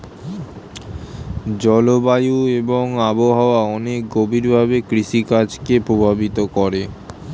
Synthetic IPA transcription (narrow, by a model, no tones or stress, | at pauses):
d͡ʑɔlobajueboŋaboɦaoaɔnek̚ɡobʱiɾbʱabekɾiʃikad͡ʑkepɾobʱabit̪okɔɾe